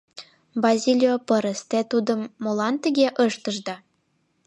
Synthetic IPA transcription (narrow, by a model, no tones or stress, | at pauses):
bɑzʲilʲijopə̆ɾəst̪et̪ud̪ə̆mːolɑnt̪əɣʲeʔɤʃt̪ə̆ʒd̪ɑ